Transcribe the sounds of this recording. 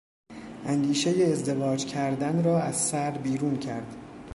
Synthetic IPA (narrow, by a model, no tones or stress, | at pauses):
ʔænd̪iːʃejeːzd̪e̞vɒːd͡ʒcʰæɾd̪ænɾɒːæz̥sæɾbiːɾuːncʰæɾd̪̥